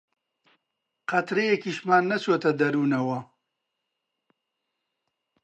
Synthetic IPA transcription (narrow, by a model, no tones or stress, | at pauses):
qɐt̪ɾejekiːʃmaːnːɐt͡ʃʰoːt̪ɐd̪ɐɾuːnɐwɐ